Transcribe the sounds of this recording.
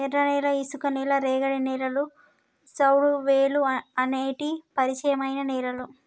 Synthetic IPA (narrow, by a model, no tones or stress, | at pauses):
ɛɾɐnɛːlɐisukɐneːlɐɾeːɡɐɽinɛːlɐlu | sɐwɽuʋeːluɐneːʈipɐɾit͡ʃɐjɐmɐjnɐnɛːlɐlu